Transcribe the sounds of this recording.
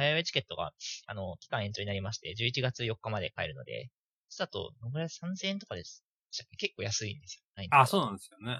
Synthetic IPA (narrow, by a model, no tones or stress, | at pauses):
hajaet͡ɕi̥ke̞t̪ːo̞ɡa̰a̰no̞kʲi̥kãɰ̃ẽ̞ɲt͡ɕo̞ɲinaɾʲimaɕi̥t̪e̞d͡ʑɨːit͡ɕiɡat͡sɨjo̞kːamad̪e̞̰kae̞̰ɾɯ̟no̞̰d̪e̞̰̥ | sat̪o̞̰noɡɯ̟ɾasãnzeːẽnt̪o̞kad̪esɨ̥ | d̪eɕtakːeke̞kːoːjasɨĩnd̪e̞sɨ̥jonaiasoːnãnd̪esɨjone